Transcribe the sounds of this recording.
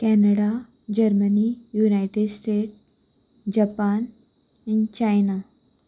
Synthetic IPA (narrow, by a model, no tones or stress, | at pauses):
kɛnəɽa | d͡ʑəɾmənijunajʈeɖsʈeʈ | d͡ʑapan | int͡ɕajna